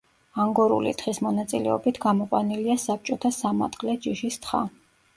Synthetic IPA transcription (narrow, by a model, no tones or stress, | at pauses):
aŋɡɔɾṵlḭt̪χismɔnat̪sʼilɛ̰ɔ̰bit̪ʰɡamɔqʼwa̰niliasap̚t͡ʃʼɔt̪ʰasama̰t̪ʼqʼlɛd͡ʒiʃist̪χa̰